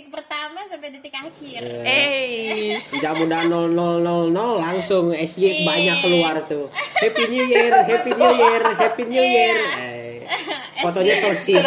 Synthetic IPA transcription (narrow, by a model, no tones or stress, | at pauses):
pərt̪amasampɛdit̪ɪkakɪrə | səd͡ʒak̚mudanɔlnɔlnɔlnɔlːaŋsʊŋɛsɡebaɲakːəluart̪uhɛpiɲujɛrɦepiɲujərɦɛpiɲujəra | fot̪oɲasosi